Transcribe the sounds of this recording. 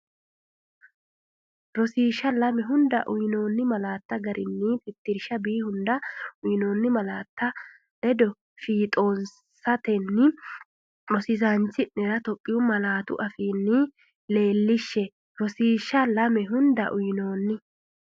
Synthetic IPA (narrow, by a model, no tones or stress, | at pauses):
ɾɔsiːʃːɐlɐmɛɦʊnd̪ɐ̰ʔʊjnoːnːɪmɐlaːt̪ːɐɡɐɾʔɪnːɪp̪ɪt̪ːɪɾɪʃɐbiːhʊnd̪ɐʊjno̞ːnːɪmɐlaːt̪ːɐ | ɛd̪ɔ | fiːt̪ʼo̞ːn | sɐt̪ɛnːɪ | ɾɔsɪzant͡ʃːɪnɛɾɐt̪ɔkʼːɪjʊmɐlaːt̪ʊ̰ʔɐfiːnːɪ | le̞ːlːɪʃːɛ | ɾɔsiːʃːɐlɐmɛɦʊnd̪ɐ̰ʔʊjno̞ːnːɪ